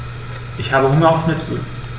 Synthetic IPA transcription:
ʔɪçhaːbəhʊŋɐaʊsmɪt̩ʰ

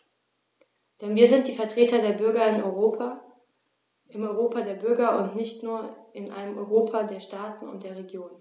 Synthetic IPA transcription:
d̥ɛnviːɐzɪnt̚d̥iːfɛɐtʁ̥eːtɐdeːɐbʏɐɡɐɪnɔʏʁoːpʰa | ɪmɔʏʁoːpadeːɐbʏɐɡɐʔʊ̰ntnɪçtnuːɐɪnʔa̰ɪnəmʔɔʏʁoːpʰadeːɐʃtaːtn̩ʊ̰nt̚d̥eːɐʁeɡjoːn

